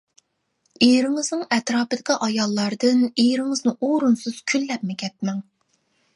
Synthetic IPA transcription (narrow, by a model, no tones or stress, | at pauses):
ejɾɪŋɨznɨŋɛt̪ɾɑːpɨd̪ɪkʲiʔɑjɑlˠːɑɾd̪ɨnejɾɪŋɨznɨʔoɾunsɨz̥kʲʰylːɛp̚mɪkʲʰɛt̪̚mɛŋ